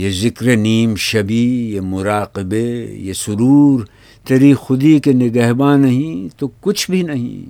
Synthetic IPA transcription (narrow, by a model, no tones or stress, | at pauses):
jezɪkɾeniːmʃɐbijemʊɾaːqɪbejesʊɾuːɾ | t̪eɾixʊd̪ikenɪɡaːɦbaːnɐɦĩt̪okʊt͡ʃʰbʱinɐɦḭ̃